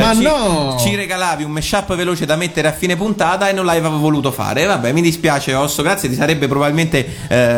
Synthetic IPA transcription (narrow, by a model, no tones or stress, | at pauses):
manːɔt͡ʃireɡalaːviumːeʃːapːveloːt͡ʃed̪amet̪ːeɾeafːiːnep̬unt̪aːt̪aenːonlaeːvavoluːt̪ofa̰ːɾevabːɛmid̪ispjaːt͡ʃeɔsːoɡɾat̪sjet̪isaɾɛbːepɾobabilment̪e